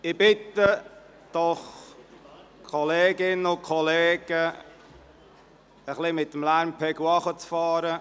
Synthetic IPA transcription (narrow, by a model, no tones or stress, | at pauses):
ɪbɪt̪ə | d̪̥ɔχ | kʰɔleːɡɪnəʊnkʰɔleːɡ̥ə | əχlimɪt̪ːəmlæɾmpʰɛɡwɑχət͡sfɑːɾə